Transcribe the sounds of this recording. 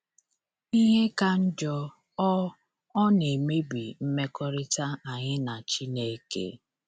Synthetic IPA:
i˦ɦe˦ka˦n̩˦d͡ʒɔ˦ | ɔ˦ | ɔ˦ne˨me˦bi˨m̩˦me˦kɔ˦ɾɪ˦ta˦a˨ɲɪ˦na˨t͡ʃi˦ne˦kḛ˦

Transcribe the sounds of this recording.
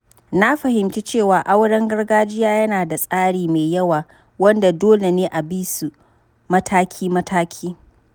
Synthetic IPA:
na˦ɸɐ˨hɪ˨mt͡ʃi˦t͡ʃeː˦˨waː˨ʔa˦wɽɐ˦ŋɡɐ˦rɡaː˦d͡ʒɪ˦jaː˦jɐ˦naː˨da˨sʼaː˦ɽiː˨me˨jɐ˦waː˨ | wɐ˦nda˨doː˦le˨neː˦ʔa˨biː˦su˨ | mɐ˦tʰaː˦kʲʰiː˦mɐ˦tʰaː˦kʲʰiː˦

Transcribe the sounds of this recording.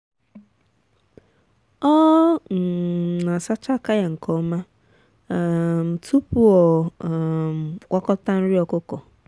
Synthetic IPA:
ɔ˦˨ | na˨sa˦t͡ʃa˦ka˦ja˨ŋ̩˨kɔ˨˦ma˦˨ | m̩˨tʰu˦pu˦ɔ˨ | kʷɔ˦kɔ˦ta˦n̩˦ɾi˦ɔ˨kʊ˦kɔ˨

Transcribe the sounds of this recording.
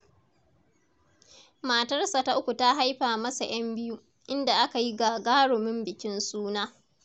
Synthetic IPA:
maː˨tɐ˦rsa˨ta˦ʔʊ˦kʷu˨ta˦ɦa˦jɸaː˨mɐ˦sa˨j̰ɐ˦mbɪ˦ju˦ | ʔɪ˦nda˨ʔa˦ka˨ji˦ɡaː˨ɡaː˦ɽʊ˨mɪ˦mbɪ˨kʲɪ˦nsuː˦naː˦

